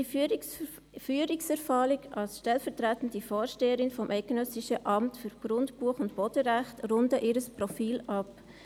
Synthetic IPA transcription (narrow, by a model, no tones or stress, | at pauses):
i | fyːɾɪksɛɾfɑːlɪɡɑlsʃtɛlfɛʁtʁætn̩difɔːɾʃteːəɾɪnfɔmʔɛɪɡ̥ənœsɪʃəʔɑmtfyɾɡ̥ɾʊndpuəχʊntb̥odəɾæχtɾʊndəʔɪːɾəspʁɔfiːlɑp